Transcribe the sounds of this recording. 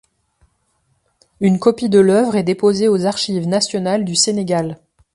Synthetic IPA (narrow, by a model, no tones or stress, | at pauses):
ynkɔpid̪əlœvʁɛd̪epozeozaʁʃivnasjɔnald̪yseneɡʲal